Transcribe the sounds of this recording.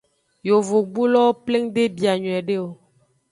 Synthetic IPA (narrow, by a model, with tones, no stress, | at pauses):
jo˨vo˨ɡ͡bu˦lɔ˦o˦ple˦ŋɖe˦bi˨a˨ɲɔ̃˨ɛ˨ɖe˦wo˦